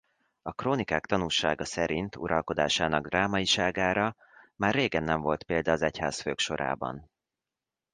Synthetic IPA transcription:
ɒkroːnikaːkt̪ɒnulʃaːɡɒsɛɾint̪ʰṵɾɒlko̞d̪a̰ːʃaːnɒɡd̪rʔaːmɒiʃaːɡaːɾɒ | maːrːeːɡɛnːɛɱvo̞lt̪peːld̪ɒːzɛcha̰ːsføːkʃo̞ɾʔa̰ːbɒ̰n

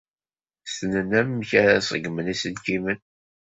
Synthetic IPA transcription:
snənæmmːçæɾæsˤəɡmənisənkimən

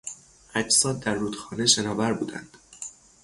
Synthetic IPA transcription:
ʔæd͡ʒsɒːd̪̚ːæɾːuːd̪xɒːneʃenɒːvæɾbuːd̪æ̰nd̪̥

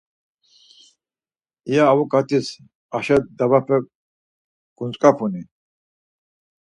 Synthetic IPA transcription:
ijaːvɔkʼat̪ʰis | aʃad̪aβapʰɛ | ɡ̥unt͡sʼkʼapʰuni

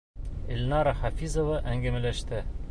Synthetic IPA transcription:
ɘ̆lʲnɑɾɑχafʲizŏvɤʔæŋɡæmælæʃt̪ɘ

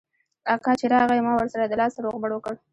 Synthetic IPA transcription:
ɑkɑt͡ʃeɾɑɣajmɑwəɾsaɾad̪əlɑsaɾoɣbaɽwəkəɽ

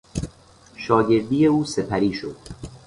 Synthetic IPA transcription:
ʃɒːɟe̞ɾd̪iːjeuːse̞pʰæɾiːʃo̰d̪̥

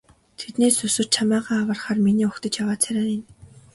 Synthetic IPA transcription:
t̪ʰet̪neːsɵsɵ̆t͡ɕʰamaːʁaːwə̆rχaːrminiːʊkt̪ə̆t͡ɕjawaːt̪t͡sʰæɾʲaːnin

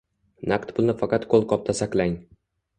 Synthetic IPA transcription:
nakt̪bʊlˠnɪfaqɑt̪qolˠqɒp̚t̪ʰasaklaŋʲ

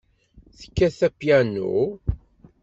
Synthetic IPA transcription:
θə̥kːæθæpjænːṵ

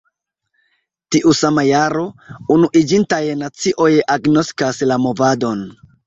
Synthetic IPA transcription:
tiʔusamajaɾo̞unuʔid͡ʒintajnat͡siʔo̞jaɡno̞skaslamo̞vado̞n

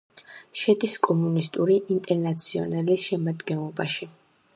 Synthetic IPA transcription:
ʃɛd̪iskʼɔmunist̪ʼuɾiʔint̪ʼɛɾnat̪sʰiɔ̰nalisʃɛmad̪ɡɛnlˠɔbaʃi

